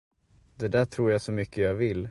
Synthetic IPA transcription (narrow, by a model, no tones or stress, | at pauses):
d̪ɛd̪æːʈʰɾuːɾjaːsɔmʏkʰːəjaːɡvɪl